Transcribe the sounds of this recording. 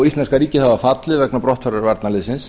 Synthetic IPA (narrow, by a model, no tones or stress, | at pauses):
ist̪ɛnskaɾiːcɪhavafat̪lɪðvɛknapɾɔht̪faɾaɾvaɾt̪nalɪsɪns